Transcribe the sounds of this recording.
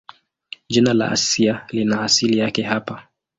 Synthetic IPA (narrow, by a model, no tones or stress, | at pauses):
d͡ʒinala̰ʔa̰sialinaːsilijakɛɦapa